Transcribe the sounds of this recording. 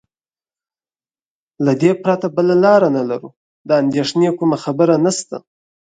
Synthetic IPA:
lad̪epɾat̪abəlalɑɾanalaɾṵ | d̪əand̪eʂnekʊmaxabəɾanast̪a̰

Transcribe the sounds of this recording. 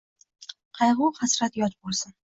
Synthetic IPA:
qʰɑjʁʊwχasɾat̪jɒt͡ʃ̪bolˠsɪn

